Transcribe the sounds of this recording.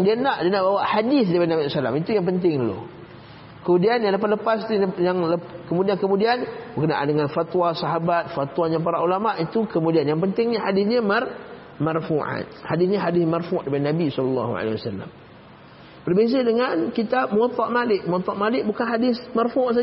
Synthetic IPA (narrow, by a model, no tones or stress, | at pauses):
ŋdianaʔdianaʔbawaʔhadɪθdipadinabisala̰mit̪ujaŋpənt̪ɪŋdlo̰ | kəmudianjaŋləp̬at̪ləpast̪ujaŋləkəmudiankəmudianbəkənaʔandəŋanfat̪wasaɦabat̪̚fat̪waɲapaɾaulamaʔit̪ukəmudianjaŋpənt̪ɪŋɲaɦadɪθɲamar | marfuʔa̰t̪hadɪθɲaɦadɪθmarfuʔdipadnabisɔlɑlːɑ̰ɦṵa̰lḛhiwasalːa̰m | b̥ərbezədəŋankit̪ap̚məɔt̪ɔʔmalɪʔ̚məɔt̪ːɔʔmalɪʔ̚bukanɦadɪsmarfuʔs̬a